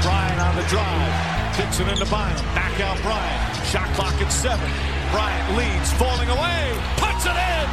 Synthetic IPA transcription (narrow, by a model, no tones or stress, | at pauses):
b̥ɹaɪɨ̃nə̃nðɨdɹaɪv̥ | pʰɪpsɨ̃nɨ̃ntəbãɪ̃m̃nnækaʊt̚b̥ɹaɪɨ̃n | ʃɑk̚bl̥ɑkɨtsɛvɨ̃n | b̥ɹaɪɨ̃nlidz̥fɔlˠɪ̃ŋəweɪ | pʰʊtsɪɾɪ̃n